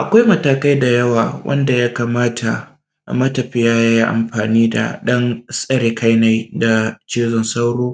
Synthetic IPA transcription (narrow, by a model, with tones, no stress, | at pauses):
ʔa˨kʷa˦jmɐ˦taː˨ka˦jda˨jɐ˦waː˨wʔɐ̰˦nda˨ja˦kaː˨maː˦tʰa˨ | ʔmɐ˦tɐ˨ɸɪ˦jaː˦ja˦a˦ʔa̰˨mɸaː˨niː˦da̰˨ɗɐ˦nsʼɐ˦ɾeː˨ka˦jna˦jda˨t͡ʃeː˦zɔ˨nsa˦wɽoː˦